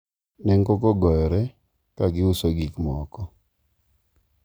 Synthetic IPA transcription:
nɛŋɡokɔɡɔjɔɾɛ | kaɡɪʊsoɡikmɔkɔ

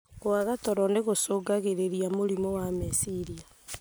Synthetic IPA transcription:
ɣoaɣatɔɾɔneɣosoːɡaɣeɾeɾiamoɾimowamesiɾia

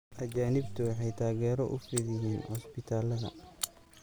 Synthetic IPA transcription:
ʔɐt͡ʃaːnɪbt̪ʰʊwɑħɑjt̪ʰaːɣɛːɾɔʔʊ̰fɪðɪjiːnhɔspɪt̪ʰaːlɐðɐ̰

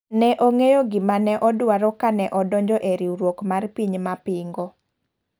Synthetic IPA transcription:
nɛʔoŋejoɡɪmanɛʔɔdwaɾɔkanɛʔɔdɔɲd͡ʒɔʔeɾiuɾwokmarpiɲmapɪŋɡɔ

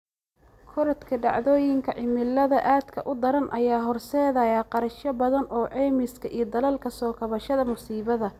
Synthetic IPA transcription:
kʰɔɾɐt̪kʰɐɖɑ̰ʕðɔːjɪŋkʰɐʕɪmɪlːɐðɐʔaːd̪kʰɐ̰ʔʊd̪ɐɾɐnʔɐjaːɦɔrsɛːðɐjaːqɑɾɐʃɐbɐðɐnʔɔːʕɛːmɪskʰɐʔiːɔd̪ɐlɐlkʰɐsɔːkʰɐβɐʃɐðɐmʊsiːβɐðɐ

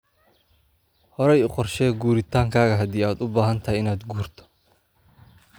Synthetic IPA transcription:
hɔɾɛjʊqɔrʃɛːɡuːɾɪt̪ʰaːŋkʰaːɣɐɦɐd̪iːaːd̪ʊbaːɦɐnt̪ʰɐɦɛjɪnaːd̪ɡuːrt̪ʰɔ̥

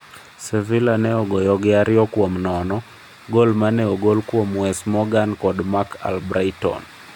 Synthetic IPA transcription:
sɛvilanɛɔɡɔjɔɡɛaɾjɔkwɔmnɔnɔ | ɡolmanɛɔɡolkwɔmwɛsmɔɡankɔdmakʰa̰lbɾajtɔ̰n

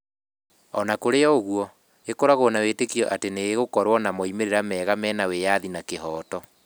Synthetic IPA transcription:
ɔnakoɾeɔoɣuɔ | ekoɾaɣonawetekiɔʔateneːɣokɔɾwɔnamɔimeɾeɾamɛːɣamɛːnawejaðinakeɦɔːtɔ

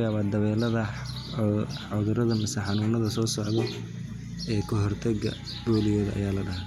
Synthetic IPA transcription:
jaːβaːd̪ɐβɛːlɐðɐ | ʊðʊɾɐðɐmɪsɛħɑnuːnɐðɐsɔːsɔʕðɛ | ɛːkʰɔɦɔrt̪ʰɐɡɐ̰ | b̥ɔːlɪjɔːðɐʔɐ̰jaːlɐɖɐɦa

